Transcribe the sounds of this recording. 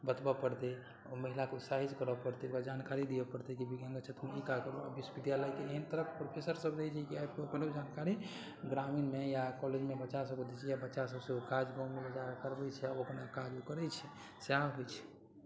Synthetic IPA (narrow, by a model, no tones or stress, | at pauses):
bət̪bapəɾt̪e | oməɦilakeusaɦit͡ʃkəɾəpəɾt̪eokad͡ʒankaɾid̪ijəpəɾt̪ɛkibiɡə̃ŋɡət͡ʃʰət̪meikakəɾoəbisbid̪jalajt̪eeɦənt̪əɾəkpɾopʰesəɾsəbɾəɦɛt͡ʃʰɛkiabkəpnd͡ʒankaɾi | ɡɾaminmejakɔled͡ʒmebətːʃasəbked̪it͡ʃʰijabətːʃasəbsẽokad͡ʒɡãmebəd͡ʒaɾkəɾbɛt͡ʃʰɛaəpnakad͡ʒokəɾɛt͡ʃʰɛ | saɦojt͡ʃʰɛ̥